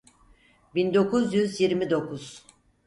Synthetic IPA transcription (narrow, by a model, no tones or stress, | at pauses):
bind̪o̞kuzjyzjiɾmid̪o̞kʰuz̥